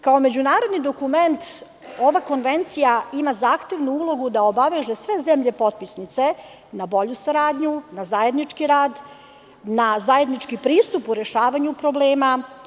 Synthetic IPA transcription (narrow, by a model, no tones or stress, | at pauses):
kaome̞d͡ʑunaːɾod̪nid̪o̞kume̞nt̪ | o̞ʋako̞nʋe̞nt̪sijaimazaːxt̪e̞ʋnuuːlˠo̞ɡud̪aobaʋe̞ːʒesʋe̞zemʎe̞po̞t̪̚pisnit̪se̞ | nabo̞ʎusaɾaːd̪ɲunazaje̞d̪nit͡ʂkiɾaːd̪ | nazaje̞d̪nit͡ʂkipɾiːst̪upuɾe̞ʃaːʋaɲupɾo̞bleːma